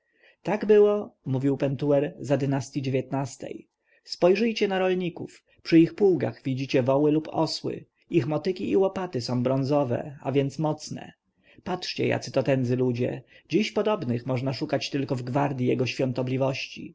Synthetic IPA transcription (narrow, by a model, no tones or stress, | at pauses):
t̪aɡbɘwɔmuvʲiwpɛnt̪uɛɾzad̪ɘnast̪ʲjid͡ʑevʲjɛt̪nast̪ɛ̰j | spɔjʐɘjt͡ɕɛnaɾɔlɲikṵf | pʂɘixpuwɡa̰xvʲid͡ʑit͡ɕɛvɔwɘlupɔ̰swɘ̰ | ixmɔt̪ɘkʲiʔiwɔpat̪ɘsɔ̃w̃bɾɔnzɔvɛ̰a̰vʲjɛnt̪smɔt̪snɛ̰ | patʂt͡ɕɛ̰ja̰t̪sɘt̪ɔt̪ɛnd̪zɘlud͡ʑɛ̰d͡ʑiɕpɔd̪ɔbnɘxmɔʐnaʂukat͡ɕt̪ɘlkɔvɡvaɾd̪ʲjijɛɡɔɕfʲjɔ̃nt̪ɔblʲivɔɕt͡ɕḭ